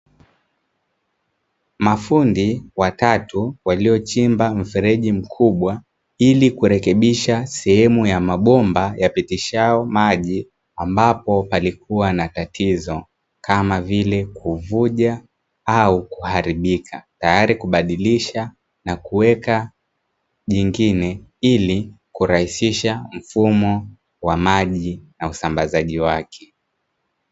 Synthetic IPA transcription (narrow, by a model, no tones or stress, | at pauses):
mafundiwatatuwaliɔt͡ʃimbam̩fɛɾɛʄim̩kʰuɓwa | ilikuɾɛkɛɓiʃasɛhɛmujamaɓɔmbajapitiʃaɔmaʄi | ambapɔpalikʰuwanatatʰizɔ | kʰamavilɛkuvuʄa | aukuhaɾiɓikʰatajaɾikuɓaɗiliʃa | nakuwɛka | ʄiŋɡinɛili | kuɾahisiʃam̩fumɔ | wamaʄinausambazaʄiwakʰɛ̥